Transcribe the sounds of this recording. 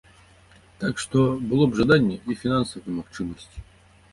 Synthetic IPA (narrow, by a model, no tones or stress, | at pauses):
t̪akʂt̪obɨlˠobʐɨd̪anʲɪjəifʲɪnansəvəjmɐft͡ɕiməsʲtʲ